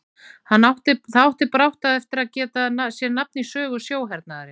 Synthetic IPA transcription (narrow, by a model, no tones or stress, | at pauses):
hanːawht̪ɪθawht̪ɪpɾawht̪aðɛft̪ɪɾaðcɛːt̪anasjɛɾnap̚nisœːɣʏsjoːwɦɛɾt̪̚naðaɾɪ